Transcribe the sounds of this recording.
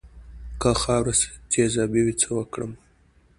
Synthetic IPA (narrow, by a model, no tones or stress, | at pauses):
kaxɑwɾast̪ezɑbiwit͡sʰəwəkɽə̰m